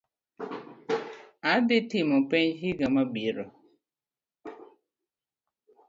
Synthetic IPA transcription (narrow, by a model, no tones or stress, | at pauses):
adɪtimɔpeɲɦiɡamabiɾɔ